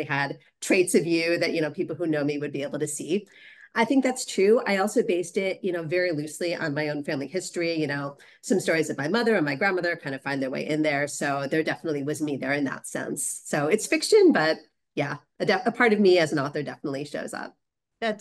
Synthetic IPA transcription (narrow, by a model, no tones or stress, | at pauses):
ɪɨd̚ | tʰɹ̥eɪtsʌvjʉðɨʔ̚jɨnoʊpʰipl̩ˠhunoʊmiwɨd̚bieɪbl̩ˠtɨsi | ʔaɪθɪ̃ŋk̚ðætstʰɹ̥ʉa̰ɪɔlˠsoʊbeɪstɪt̚jɨñoʊvɛɹilʉsliʔə̰̃nmaɪõʊ̃nfæ̃mlihɪstɹ̥ijɨnoʊ | sʌ̃mstɔɹizʌvmaɪmʌðə˞ɨ̃nmaɪɡɹæ̃nmʌðə˞kʰãɪ̃ndɨfãɪ̃nðə˞wḛɪʔɪ̃nðə˞soʊðə˞dɛfənətˡliwʌzmiðə˞ɨ̃nðə̰tsɛ̰̃nsːoʊɨtsfɪkʃɨ̃nbʌt̚ | jæʔɨdɛəpʰɑɹɾʌvmiɨzn̩ɔθə˞dɛfənətˡliʃo̰ʊzʌ̰p̚ | ðæt